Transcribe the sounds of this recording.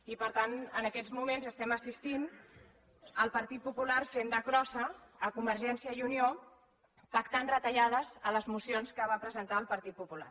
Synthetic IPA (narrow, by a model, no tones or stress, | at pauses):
ipəɾt̪anənəkɛd͡zmumenzəst̪ɛməsist̪in | əlˠpəɾt̪it̪̚pupulaɾfend̪əkɾɔsəːkumbəɾʒɛnsiəiunio | pəkt̪anrət̪əʎað̞əzələzmusionskəβ̞apɾəzənt̪aəlˠpəɾt̪it̪̚pupula̰r